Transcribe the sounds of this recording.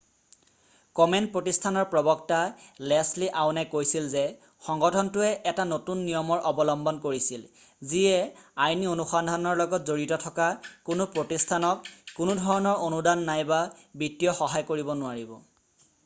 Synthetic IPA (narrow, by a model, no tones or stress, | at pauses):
kɔmɛnpɹotistʰanɔɹpɹɔbɔktalɛsliʔaʊnajkojsilzɛ | xɔŋɡɔtʰɔntʊɛʔɛtanotunːijɔmɔɹʔɔbɔlɔmbɔnkoɹisil | ziɛajnionuxandʱanɔɹlɔɡɔtzoɹitɔtʰɔkakʊnʊpɹotistʰanɔkːʊnʊdʱɔɹɔnɔɹonudanːajbabɹitːijɔxɔɦajkoɹibɔnʊwaɹibɔ